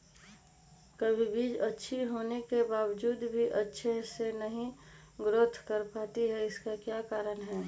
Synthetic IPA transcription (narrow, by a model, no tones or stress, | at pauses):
kəbʱibiːd͡ʒətːʃʰiɦoːnekebaːwd͡ʒuːd̪bʱiʔətːʃʰesenəɦĩ | ɡɾʊt̪ʰkəɾpaːt̪iɦɛɪskakjakaːɾənɦɛː